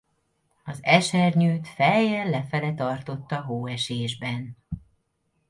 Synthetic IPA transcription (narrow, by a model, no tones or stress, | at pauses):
ɒzɛʃɛrɲyːt̪fɛjɛlɛfɛlɛt̪ɒrt̪o̞t̪ːɒɦoːɛʃeːʒbɛn